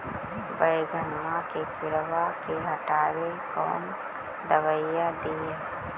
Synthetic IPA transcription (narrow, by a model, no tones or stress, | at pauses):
bəjɡʱənmakesɪɾʋakeɦəʈaːwekɔ̰ːn | d̪əʋəjad̪ieː